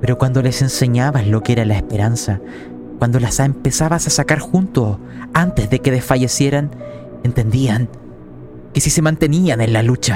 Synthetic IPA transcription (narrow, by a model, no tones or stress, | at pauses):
pe̞ɾo̞kwand̪ole̞se̞nse̞ɲaβalo̞keeɾalaespe̞ɾansa | kwand̪o̞lasempe̞saβasasakaɾxunt̪o | ant̪ezðekeðesfaʝe̞sje̞ɾan | e̞nt̪e̞nd̪iaŋ | kesise̞mant̪e̞nianenlalut͡ʃa